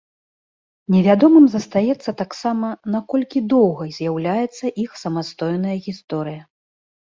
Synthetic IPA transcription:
nʲɛvʲad̪ɔmɨmzɐst̪ajɛt̪sːɐt̪aksamɐnakɔlʲkʲid̪ɔwɣɐzʲjawlʲajɛt̪sːɐʔixsɐmast̪ɔjnɐjɐɣʲist̪ɔɾɨjɐ

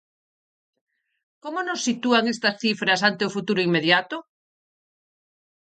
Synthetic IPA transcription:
komonosːit̪uaŋest̪asθifɾasant̪eofut̪uɾoiŋmeðjat̪o

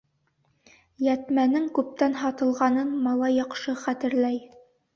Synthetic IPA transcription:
jæt̪mænɘŋkʉp̚t̪ænɦɑt̪ɤ̆lˠʁɑnɤnmɑlˠɑjːɑqʃɤχæt̪ɘ̆ɾlæj

